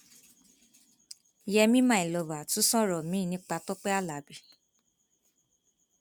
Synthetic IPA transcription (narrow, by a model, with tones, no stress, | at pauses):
jɛ˧mĩ˦mã˦˨i˨lɔ˨ba˨tũ˨˦sɔ̃˦ɾɔ˨mĩ˨˦˨nĩ˧˦k͡pa˧tɔ˦k͡pɛ˦a˦˨la˨˦˨bi˨